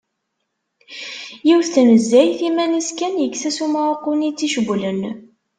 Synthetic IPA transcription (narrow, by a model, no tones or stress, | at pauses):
jiwθθənəzːæjθimæniskænjəksæsumaʁoqːunit͡sːiʃəɡʷlən